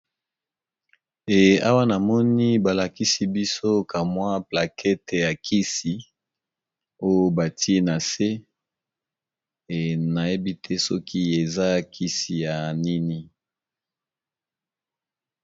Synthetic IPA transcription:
e˨a˦wa˦na˨mɔ˦ni˦ba˨la˨ki˦si˦bi˦so˦ka˨mwa˦pla˨kʰɛ˦te˨ja˨kʰi˦si˨ | o˦jo˦ba˨ti˦e˦na˨se˦ | e˨na˨je˦bi˦tʰɛ˦sɔ˦kʰi˦e˨za˦kʰi˦si˨ja˨ni˦ni˦

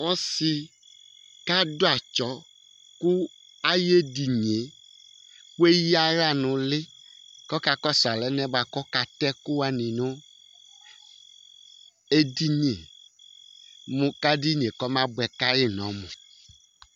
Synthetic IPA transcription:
wɔ˦si˨ | ka˦do˦a˨t͡ʃɔ˦ | ku˦ | a˦je˦di˨ɲi˨e˨ | k͡pu˦e˦ji˦a˦ɾa˦nũ˨le˦ | kɔ˦ka˦kɔ˦sa˨lɛ˨nɛ̃˦ba˨kɔ˦ka˨t̪ɛ˦ku˦wa˦nĩ˨nõ˦ | e˦di˦ɲi˦ḛ˨ | mũ˨ka˦di˦ɲĩ˨e˨kɔ˦mã˦bɛ˨ka˦je˦nɔ̃˨˦mũ˨

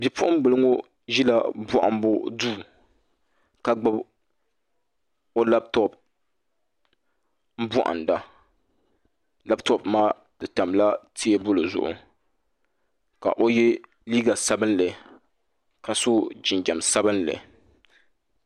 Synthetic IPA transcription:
bi˨pʰʊ˦ʔʊ˦m˦bɨ˨lɨ˦ŋo˦ | ʒi˦la˦bɔ˦ʔa̰˦m˦bʊ˦duː˦˨ | ka˦ɡ͡bɨ˦b | o˦la˦b̚tɔ˦p̚ | m̩˦bɔ˦ʔa̰˨nda˨ | la˦btɔ˦˨pmaː˦ | dɨ˨ta˨mla˦ti˦e˦bʊ˦lɨ˨zʊ̰˦˨ʔʊ̰˨ | ka̰˨ʔo˦jɛ˦ | liː˦ɡa˨sa˦bɨ˦nlɨ˨ | ka˨so˦d͡ʒɪ˨nd͡ʒa˨msa˦bɨ˦nlɨ̰˨

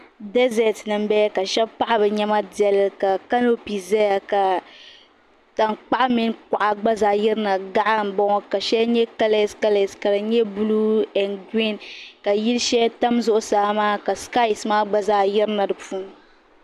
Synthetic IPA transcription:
dɛ˦zɛ˨tnɨ˨mbɛ˦ka˨ʃɛ˦bpa˦ʔa˦bɨ˨ɲɛ˦ma˦di˨ɛ˨lka˨ka˦no˦pi˨zɛ˦ja˨ka˨ | ta˨nk͡pa˦ʔa˦mɪ˦nka˨ʔa˨ɡ͡ba˦zaː˨jɪ˦ɾɨ˦na˨ɡa˦ʔa˦m̩˨bɔ˦ŋɔ˦ka˨ʃɛ˦ɲɛ˦ka˦le˨ska˦le˨ska˨dɨ˨ɲɛ˦bu˦lu˦ɛ˨nɡi˦nka˨ji˦lʃɛ˦ta˦mzʊ˦ʔʊ˦saː˦maː˦ka˨ska˦i˨smaː˦ɡ͡ba˦zaː˨jɪ˦ɾna˨dɨ˨pu˦n˦

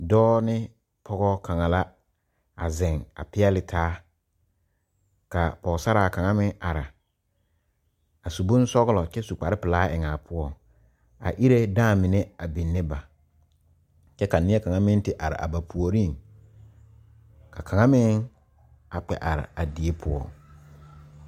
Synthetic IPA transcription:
dɔː˦nɪ˦ | pʰɔ˦ɣɔ˦kʰa˨ŋa˨la˦ | a˨zɪ˨ŋa̰˨pɪ˦ɛ˦lɪ˨tʰaː˦ | ka˨pɔ˨ɣsa˦ɾaː˨ka˨ŋa˦mɪ̃˦ŋa˨ɾa˨ | a˨su˨bʊ˦n˦sɔ˦ɣlɔ˨t͡ʃɛ˦su˨k͡pa˨ɾɪ˦pɪ˨laː˦ʔɪ˨ŋa˨pʰʊ˦ɔ˦ | a̰˨ʔi˦ɾe˦daː˦˨mɪ˨ne˦a˨bi˨nːe˦ba˨ | t͡ʃɛ˦ka˨nɪ˦ɛ˦ka˨ŋa˦mɪ˦n˦tɪ˦ʔa˨ɾɪ̰˨ʔa̰˨ba˨pʰu˨o˨ɾi˦˨ŋ | kʰa˨kʰa˨ŋa˦mɪ˦ŋ | a˨k͡pɛ̰˨ʔa˨ɾɪ̰˨a˨di˨e˦pʰʊ˦ɔ̰˦˨

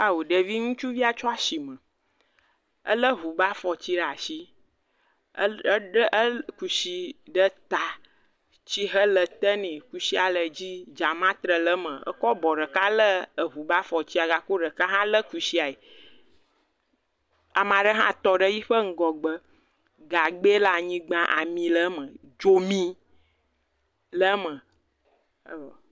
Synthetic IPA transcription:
a˦wo˨ɖə˨vi˦ŋũ˦t͡ʃu˦vi˦a˨t͡ʃɔ˦a˦si˨mə̃˨ | ə̰˦lə˦ɦu˨ba˦fɔ˨t͡ɕi˦ɖa˨si˦ | ɖʔə˦ku˨si˨ɖə˦t̪a˨ | t͡ɕi˦ɦə˦lə˨t̪ə˦nĩ˨ku˨si˦a˨lə˨d͡ʑi˦d͡ʒa˨mã˦t̪ɾə˨lə˦mə̃˨ə̰˦kɔ˦bɔ˨ɖə˨ka˦lə˦ə˨ɦu˨ba˦fɔ˨t͡ɕi˦a˨ɡa˨ko˦ɖə˨ka˦ɦã˦lə˦ku˨si˦a˨e˨ | a˨mã˨ɖə˦ɦã̰˦t̪ɔ˦ɖə˦ji˦ɸə˦ŋ̩˦ɡɔ˨ɡ͡bə˦ | ɡa˨ɡ͡be˦la˨ɲĩ˦ɡ͡bã˦ʔa̰˨mĩ˨lə˦mə̃˨ | d͡ʒo˦mĩ˦ | lə˦mə̃˨

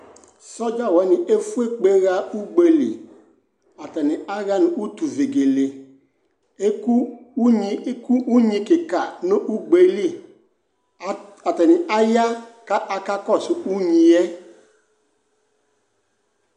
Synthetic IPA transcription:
sɔ˦d͡ʒa˦˨wɛ˨˦ni˨ʔe˦fu˦e˦k͡pe˦ɣa˦u˦ɡ͡be˨lḭ˨ | a˨tɛ˨ni˨ʔa˦ɣa˦nũ˨u˦tu˨ve˨ɡe˨le˨ | e˦ku˦u˦ɲi˦ku˦ʔu˦ɲĩ˦ke˨ka˨no˦ʔu˦ɡ͡be˦li˦˨ | a˨tɛ˨ni˨ʔa˦ja˦ka˦ʔa˨ka˦kɔ˦˨su˨u˦ɲĩ˨ɛ˦

